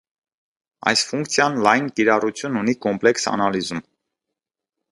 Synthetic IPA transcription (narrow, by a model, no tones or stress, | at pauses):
ɑ̰jsfuŋkt͡sʰjɑnlɑjnkiɾɑrut͡sʰjununikɔmplɛksɑ̰nɑlizum